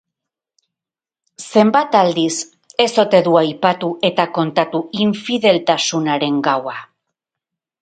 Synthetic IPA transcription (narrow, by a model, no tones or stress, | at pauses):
se̞mbat̪ald̪is | e̞so̞t̪e̞ðuajpat̪uʔe̞t̪ako̞nt̪at̪uiɱfiðe̞lt̪asunaɾe̞ŋɡawa